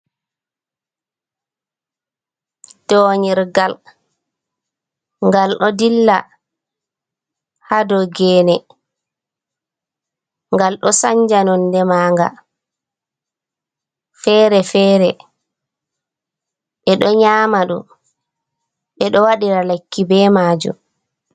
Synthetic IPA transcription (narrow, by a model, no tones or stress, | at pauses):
d̥ɔːɲiɾɡal | ŋɡalɗɔdilːa̰ | hadɔɡɛːnɛ | ŋɡalɗɔsaɲd͡ʒanɔndɛmaːŋɡa̰ | fɛːɾɛfɛːɾɛ | ɓɛɗɔɲaːmaɗṵ | ɓɛɗɔwaɗiɾalakːibɛːmaːd͡ʒṵ